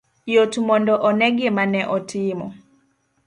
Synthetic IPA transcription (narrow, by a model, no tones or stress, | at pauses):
jotumɔndɔʔɔnɛɡemanɛʔɔtʰimɔ̰